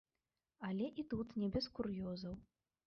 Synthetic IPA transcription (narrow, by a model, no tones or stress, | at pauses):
ɐlʲɛʔit̪ut̪nʲɛbʲɛskurjɔzɐw